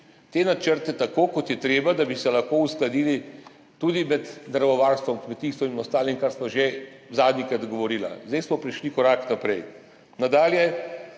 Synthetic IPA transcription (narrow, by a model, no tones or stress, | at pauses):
t̪eːnat͡ʃəɾt̪ɛt̪akoːkɔt̪jɛt̪ɾeːbad̪abisɛlɐxkousklad̪iːli | t̪uːd̪imɛd̪d̪ɾʋɔʋaːɾst̪ʋɔmkmɛt̪iːst̪ʋɔinɔst̪aːlimkaɾsmaʒe | zaːd̪nikɾad̪ɡɔʋɔɾiːla̰zd̪ɛjsmɔpɾiʃlikɔɾaːknapɾɛj | nad̪aːljɛ